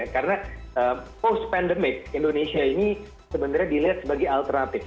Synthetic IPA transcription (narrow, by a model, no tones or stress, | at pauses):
akarənaəmpost̪̚pɛndəmɪk̚indonesiaini | səbənt̪arɲadiliɦat̪̚səbaɡajalt̪ərnat̪ɪf